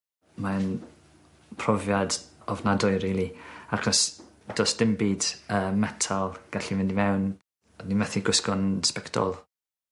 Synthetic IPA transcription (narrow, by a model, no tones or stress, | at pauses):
man | pʰrɔvjadɔvnadɔɨɾiːlˠiakɔsd̥ɔsd̥ɪmbiːdəmɛtʰalˠɡ̥aɬivɪndimɛwn | nimɛθiɡʊskɔnspɛktʰɔ̰lˠ